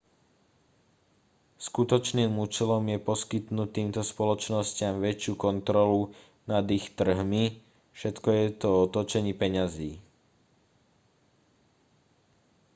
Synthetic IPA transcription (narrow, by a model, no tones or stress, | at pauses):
skut̪ɔt͡ʃniːmut͡ʃɛlɔmjɛpɔskit̪nut̪iːmt̪ɔspɔlɔt͡ʃnɔscɪamʋɛt͡ʃɪukɔnt̪ɾɔlu | nad̪ixt̪r̩ɦmi | fʃɛt̪kɔjɛt̪ɔɔt̪ɔt͡ʃɛɲipɛɲaziː